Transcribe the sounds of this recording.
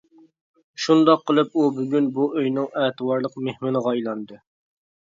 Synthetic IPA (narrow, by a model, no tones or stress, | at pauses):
ʃund̪ɑqʰːəlˠɨp̚ubyɡʲynbuʔøjnɪŋɛːt̪ɨwɑɾlˠəqmehmɪnɨʁɑjlˠɑnd̪ɨ